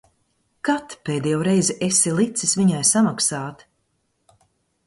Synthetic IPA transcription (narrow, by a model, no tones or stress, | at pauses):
kat̪peːd̪ɛjɛwɾɛjzɛʔesilˠit̪sisviɲajsamaksaːt̪